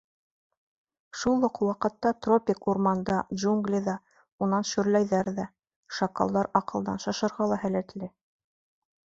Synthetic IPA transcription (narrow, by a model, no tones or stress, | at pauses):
ʃulˠːɤqwɑqɤ̆t̪ːɑt̪ropʲɪkuɾmɑnd̪ɑʒuŋɡlʲiðɑ | unɑnʃɵ̆ɾlæjðæɾðæ | ʃɑkɑ̰lˠd̪ɑɾɑqɤ̆lˠd̪ɑ̰nʃɑʃɤ̆ɾʁɑlˠɑhælæt̪lɘ